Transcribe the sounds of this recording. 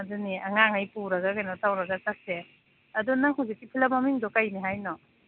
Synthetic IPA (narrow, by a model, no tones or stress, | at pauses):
ɐduniaŋaŋajpuɾɐɡakajnɔtawɾɐɡasak̚se | ɐdunaŋhawzik̚ːipʰilamamiŋdɔkajniɦajnɔ